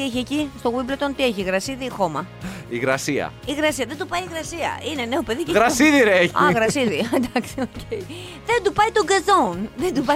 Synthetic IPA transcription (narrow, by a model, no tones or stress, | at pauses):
ieçiecist̪oɣwiblet̪o̞nt̪ieçiɣɾɐsiðiːxo̞mɐ | iɣɾɐsiɐ̰iɣɾɐsiɐðed̪upɐiɣɾɐsiɐ̰ine̞ne̞ope̞ðieɣɾɐsiðiɾeçɐ̰ɣɾɐsiðiɐnd̪ɐksiocei | ðe̞nd̪upɐit̪oɡɐzonðend̪upɐ